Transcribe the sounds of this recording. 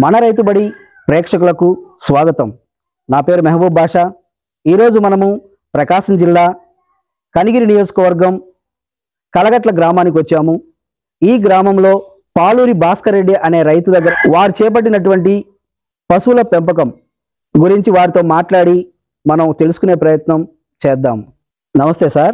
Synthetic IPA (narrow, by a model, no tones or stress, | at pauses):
mɐnɐɾɐjt̪̬ubɐɽi | pɾɛːkʂɐk̬ulɐkusʋaːɡɐt̪ɐm | naːpeːɾumɐɦɐbubʱaːʂa | iːɾo̞ːd͡ʒumɐnɐmu | pɾɐkaːʂɐmd͡ʒilːaː | kɐniɡiɾinijo̞ːd͡ʒɐ̥kɐʋɐɾɡɐm | kɐlɐɡɐʈlɐɡɾaːmaːnik̬iʋɐt͡ʃːaːmu | iːɡɾaːmɐmlo̞ː | paːluːɾibaːskɐɾeɖːiʔɐne̞ːɾɐjt̪ud̪ɐɡːɐɾʋaːɾit͡ʃɛːp̬ɐɽːinɐʈuʋɐɳʈi | pɐsuwulɐpempɐk̬ɐm | ɡuɾiɲt͡ʃiʋaːɾit̪o̞ːmaːʈlaːɽi | mɐnɐmt̪e̞lusu̥kune̞ːpɾɐjɐt̪nɐm | t͡ʃɛːd̪ːa̰ːm | nɐmɐst̪eːsaːɾ